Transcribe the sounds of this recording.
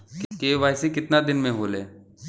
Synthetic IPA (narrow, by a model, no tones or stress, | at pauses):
kkeːʋaːɪsekɪt̪nad̪ɪnmẽɦoːleː